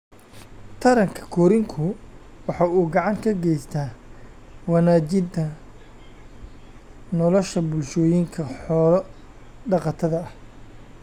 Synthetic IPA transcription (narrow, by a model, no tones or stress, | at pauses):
t̪ʰɐɾɐŋkʰɐ̥kʰɔːɾɪŋkʰʊ | wɑħɑːuːɡɑʕɑŋkʰɐɡɛjst̪ʰaː | wɑnaːt͡ʃɪnt̪ʰɐ | nɔlɔʃɐbʊlʃɔːjɪŋkʰɐħɔːlɔ | ɖɑqɑt̪ʰɐðɐɐh